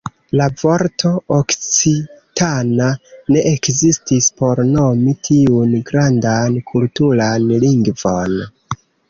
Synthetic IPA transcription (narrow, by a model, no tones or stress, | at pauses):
lavo̞ɾtʰo̞okt͡sitanane̞ʔekzistispo̞ɾno̞mitʰiunɡɾandankʰultulanliŋɡvo̞n